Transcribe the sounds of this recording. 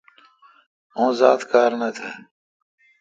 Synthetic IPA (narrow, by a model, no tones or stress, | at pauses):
õːza̰ːt̪kaːɾnɐt̪ʰeː